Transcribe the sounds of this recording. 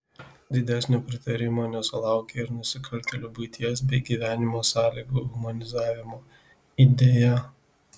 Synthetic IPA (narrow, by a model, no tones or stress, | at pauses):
d̪ʲɪd̪ʲæˑsʲnʲoːpʲɾʲɪt̪ɐɾʲɪmoːnʲɛsʊlˠɑˑʊkʲeɪɾnʊsʲɪkʰɐlʲt̪ʲɛlʲuːbʊɪt̪ʲiɛs̬bʲɛɪɡʲiːʋʲæːnʲɪmoːsɑːlʲiːɡuːɦʊmɐnʲɪzɑːʋʲɪmoː | id̪ʲeːjɛ